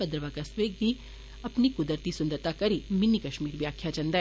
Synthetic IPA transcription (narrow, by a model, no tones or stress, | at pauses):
ɐd̪ɾəʋakɐsʋeɡi | ɐpnikʊd̪əɾt̪isʊ̃nd̪əɾt̪akɐɾimɪnːikɐʃmiːɾʋjaːkʰjat͡ʃɐ̃nd̪a